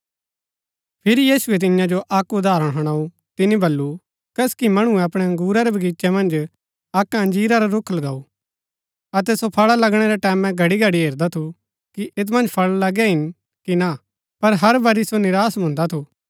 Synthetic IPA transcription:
pʰɪɾijiːsuɛt̪̬ɪ̃njãd͡ʒoʔɐkʊd̪aːɾəɽ̃ɦɐɽ̃aːu | t̪ɪnibɐlːu | kɛːskimɐɽ̃uɛɐpɽ̃ɛɡuːɾaɾɛbʱɐɡiːt͡ʃɛmɐ̃nd͡ʒ | ɐkɦɐ̃nd͡ʒiːɾaɾɐɾʊkʰlɐɡaːu | ɐt̪̬ɛsopʰɐɭalɐɡɽ̃eɾɛʈɛːmɛ̃ɡʱɐɽiɡʱɐɽiɦeːɾd̪at̪ʰu | kiʔɪt̪̬mɐ̃nd͡ʒpʰɐɭlɐɡɛɦɪn | kina | pɐɾɦɐɾbɐɾisonɪɾaːsbʊ̃ːnd̪at̪ʰuː

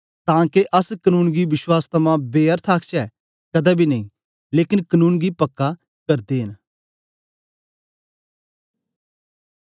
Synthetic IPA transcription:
t̪ãːkeʔɐskənũːnɡiʋɪʃwaːst̪ʰɐmãbeːəɾt̪ʰaːkt͡ʃɛː | kɐd̪ɛbʱinɐĩ | leːkɪnkɐnũːnɡipɐkːa | kɐɾd̪eːɦɪn

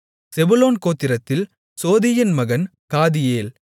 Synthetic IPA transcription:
sɛbʊloːnkoːt̪ːɪɾɐt̪ːɪl | soːðɪjɐnmɐɣɐnkaːðɪjeːl

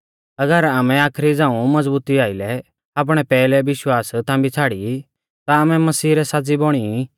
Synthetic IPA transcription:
ɐɡəɾaːmɛ̃aːkʰɾid͡zãːũmɐd͡zbuːt̪iaːɪlɛ | aːp̬ɽ̃ɛpɛːlɛʋɪʃwaːst̪ʰãːmbit͡sʰaːɽi | t̪aːmɛ̃mɐsiːɾɛsaːd͡zibɔɽ̃ii

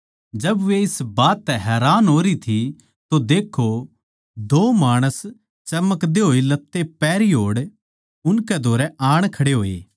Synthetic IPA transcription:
d͡ʒɐbʋeɪsbaːt̪ːɛɦɛːɾaːnɦoːɾit̪ʰi | t̪od̪eːkʰo | d̪oːmaːɽ̃əs | t͡ʃɐməkd̪eɦoːilɐt̪ːepɛːɾiɦoːɽ | ʊnkɛd̪ʱoːɾɛaːɽ̃kʰɐɽeɦoːḛː

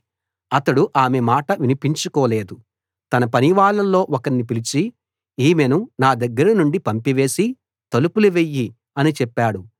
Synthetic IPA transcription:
ɐt̪ɐɽuʔaːmemaːʈɐʋinipiɲt͡ʃukɔːle̞ːd̪u | t̪ɐnɐpɐniʋaːɭːɐlːo̞ːʔɔkɐɳnipilit͡ʃi | iːmenunaːd̪ɐɡːɐɾɐnuɳɖipɐmpiʋe̞ːsi | t̪ɐlupuluʋejːi | ɐnit͡ʃɛpːaːɽu

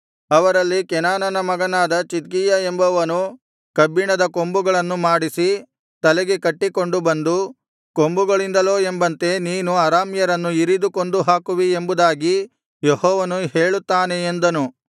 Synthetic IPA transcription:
ɐʋɐɾɐlːikɛnaːnɐnɐmɐɡɐnaːd̪ɐt͡ʃit̪̚ɡijɐembɐʋɐnu | kɐbːiɳɐd̪ɐko̞mbuɡɐɭɐnːumaːɽisi | t̪ɐlɛɡekɐʈːiko̞ɳɖubɐnd̪u | ko̞mbuɡɐɭind̪ɐlo̞ːe̞mbɐnt̪e̞niːnuɐɾaːmjɐɾɐnːuiɾid̪ukond̪uɦaːkuʋie̞mbud̪aːɡi | jehɔːʋɐnuɦe̞ːɭut̪ːaːne̞ːnd̪ɐnu

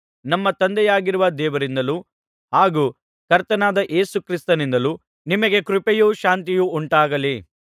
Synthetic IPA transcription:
nɐmːɐt̪ɐnd̪ɛjaːɡiɾuʋɐd̪ɛːʋɐɾind̪ɐlu | ɦaːɡuː | kɐɾt̪ɐnaːd̪ɐʔe̞ːsukɾist̪ɐnind̪ɐlu | nimɐɡe̞kɾupejuːʃaːnt̪̬ijuuɳʈaːɡɐli

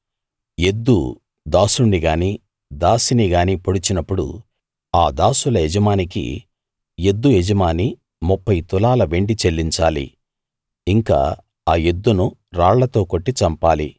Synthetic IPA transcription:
je̞d̪ːu | d̪aːsuɳɖiɡaːniː | d̪aːsiniɡaːniːpoɽut͡ʃinɐpːuɽṵ | aːd̪aːsulɐed͡ʒɐmaːnikḭ | je̞d̪ːujed͡ʒɐmaːni | mupːɐjt̪ulaːlɐʋe̞ɳɖit͡ʃe̞lːiɲt͡ʃaːlḭ | iŋka̰ː | aːje̞d̪ːunuɾaːɭlɐt̪o̞ːko̞ʈːit͡ʃɐmpaːli

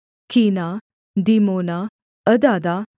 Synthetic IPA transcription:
kʰina | d̪imona | əd̪ad̪a

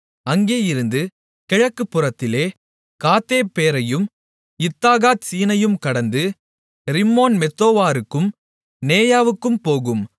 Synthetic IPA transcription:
ɐŋɡeːjɪɾɯnd̪ɯ | kɛɻɐkːɯpːɯrɐt̪ːɪleː | kaːt̪ːeːpːeːɾɐjɯm | ɪt̪ːaːɣaːt̪̚siːnɐjɯmkɐɽɐnd̪ɯ | ɾɪmːoːnmɛt̪ːoːʋaːɾɯkːɯm | neːjaːʋɯkːɯmpoːɣɯm

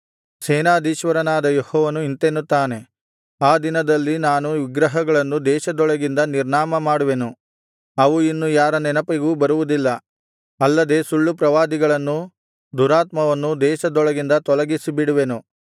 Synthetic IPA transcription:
sɛːnaːd̪iːʃʋɐɾɐnaːd̪ɐjehɔːʋɐnuint̪enːut̪ːaːne̞ | aːd̪inɐd̪ɐlːinaːnuʋiɡɾɐɦɐɡɐɭɐnːud̪ɛːʃɐd̪ɔɭɐɡind̪ɐniɾɳaːmɐmaːɽuʋe̞nu | ɐʋuinːujaːɾɐnɛnɐpiɡuːbɐɾuʋud̪ilːɐ | ɐlːɐd̪e̞suɭːupɾɐʋaːd̪iɡɐɭɐnːu | d̪uːɾaːt̪mɐʋɐnːud̪ɛːʃɐd̪ɔɭɐɡind̪ɐt̪ɔlɐɡisibiɽuʋe̞nu

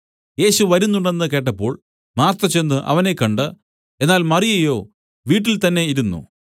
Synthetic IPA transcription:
je̞ːɕuʋɐɾunːuɳɖe̞nːɨke̞ːʈ̬ːɐpːo̞ːɭ | maːrt̪ːɐt͡ɕe̞nːɨʔɐ̰ʋɐne̞kːɐɳɖɨ | e̞nːaːlmɐrijɐjo̞̰ː | ʋiːʈːilt̪ɐnːe̞iɾunːṵ

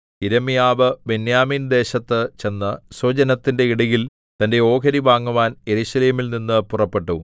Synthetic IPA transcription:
iɾɐmijaːʋɨbe̞njaːmiːnd̪e̞ːɕɐt̪ːɨt͡ɕe̞nːɐsod͡ʑɐnɐt̪ːinde̞iɽɐjil | t̪ɐnde̞o̞ːkʰɐɾiʋaːŋːuʋaːnje̞ɾuɕɐle̞ːmilninːɨpurɐpːe̞ʈːu

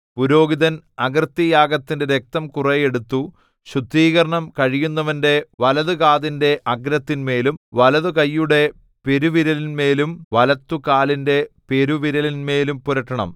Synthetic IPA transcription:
puɾo̞ːɡiðɐnɐɡrt̪ːijaːɡɐt̪ːinde̞ɾek̚t̪ɐmkureje̞ɽut̪ːu | ɕrut̪ːiːɣɐɾɐɳɐmkɐɻijunːɐʋɐnde̞ʋɐlɐðukaːðinde̞ʔɐɡɾɐt̪ːinme̞ːlumʋɐlɐðukɐjːuɽe̞ | pe̞ɾuʋiɾɐlinme̞ːlumʋɐlɐt̪ːukaːlinde̞pe̞ɾuʋiɾɐlinme̞ːlumpuɾɐʈːɐɳɐ̰m

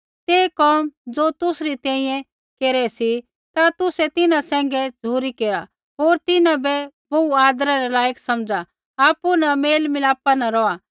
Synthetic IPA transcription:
t̪eːkɔːmd͡zoːt̪ʊsɾit̪ɛ̃ːĩjɛ̃ | keːɾɛsi | t̪at̪ʊsɛt̪ɪnãsɛ̃ːŋ̆ɡɛd͡zuːɾikeːɾa | ɦoːɾt̪ɪnãbɛboaːd̪ɾaɾɛlaːjəksɐmd͡za | aːpunɐmeːlmɪlaːpanɐɾɔa

